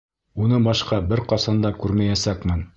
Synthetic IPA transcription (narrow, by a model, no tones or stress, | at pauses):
unɤbɑʃqɑbɘɾqɒsɑnd̪ɑkʉɾmæjæsækmɘn